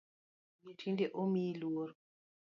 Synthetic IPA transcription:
ɲitʰindeʔomilwoɾ

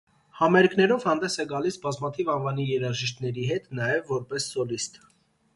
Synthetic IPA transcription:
hɑmɛɾkʰnɛɾɔvhɑnd̪ɛsɛɡɑlisbɑzmɑt̪ʰivɑnvɑnijɛɾɑʒiʃt̪nɛɾiɦɛt̪nɑjɛvːɔɾpɛsːɔlist̪

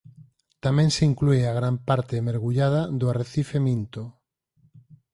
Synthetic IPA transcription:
t̪amẽŋseiŋklueaɣ̞ɾampaɾt̪eːmeɾɣuʎað̞aðoareθifemĩnt̪o

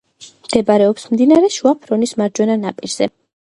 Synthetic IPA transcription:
md̪̥ɛbaɾɛɔpsmd̪inaɾɛʃuapʰɾɔnismaɾd͡ʒwɛnanapʼiɾz̥ɛ

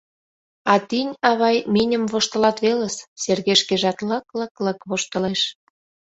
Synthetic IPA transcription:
ɑt̪inʲɑβɑjminʲə̆mβoʃt̪ə̆lɑt̪βeləsserɣeʃkeʒɑt̪ləkləkləkβoʃt̪ə̆leʃ

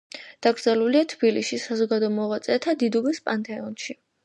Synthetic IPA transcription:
d̪̥aɡɾd̪zɛluliat̪ʰb̥iliʃisazɔɡad̪ɔɔmɔʁat̪sʼɛt̪ʰad̪id̪ubɛspʼant̪ʼɛɔnʃi

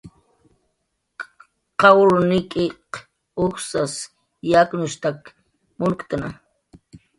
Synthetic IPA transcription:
qɑwɾnɪkʼɪq | ʊxsas | jaknʊʃt̪ak | mʊɾkt̪ana

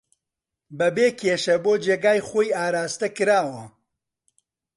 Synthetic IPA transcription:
bɐbeːkʰeːʃɐboːd͡ʒeːɡaːjχoːjaːɾaːst̪ɐkɨɾaːwɐ

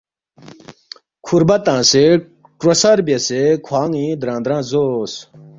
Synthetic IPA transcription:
kʰuɾbɐt̪ãːse | ʈɾosɐɾbesekʰwaːŋĩd̪ɾãːnd̪ɾãːzos

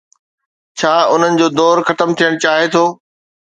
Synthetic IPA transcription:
t͡ɕʰaːʊn̤ənɪ̆d͡ʑoːd̪ɔːɾxɐt̪əmt̪ʰijəɽ̃t͡ɕaːɦet̪ʰoː

